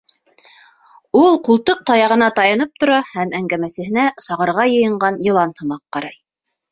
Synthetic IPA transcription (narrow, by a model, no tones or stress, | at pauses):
ulˠqulˠt̪ɤq̚t̪ɑjɑʁɤ̆nɑt̪ɑjɑnɤp̚t̪ŏɾɑhæmæŋɡæmæsɘ̆ɦɘ̆næsɑʁɤ̆ɾʁɑjɤ̆jɤ̆ɴɢɑnjɤ̆lˠɑnhɤ̆mɑqːɑɾɑj